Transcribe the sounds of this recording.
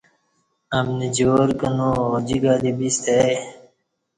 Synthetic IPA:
ɐmnid͡ʑoːɾkɐnod͡ʑiɡad̪ibist̪ej

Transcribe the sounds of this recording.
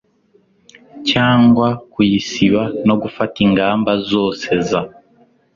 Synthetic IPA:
caːŋɡwakujisiβano̞ɡufatiŋɡaːmbazoːseza

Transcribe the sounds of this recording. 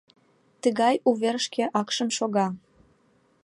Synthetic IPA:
t̪əɣɑjuβeɾʃkĕʔɑkʃəmʃoɣɑ

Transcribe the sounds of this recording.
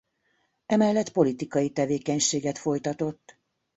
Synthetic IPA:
ɛmɛlːɛt̪po̞lit̪ikɒjit̪ɛveːkɛɲʃeːɡɛt̪fo̞jt̪ɒt̪o̞t̪ː

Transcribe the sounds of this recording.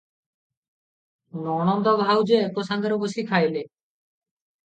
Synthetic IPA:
nɔñɔnd̪ɔbʱawd͡ʒekosand̪eɾɔbusikʰajle

